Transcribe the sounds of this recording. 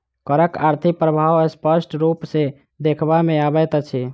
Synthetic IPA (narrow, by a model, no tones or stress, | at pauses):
kəɾəkaɾt̪ʰikpɾəbʱawəspəsʈɾupsẽ | d̪ekʰbameabɛt̪t͡ʃʰi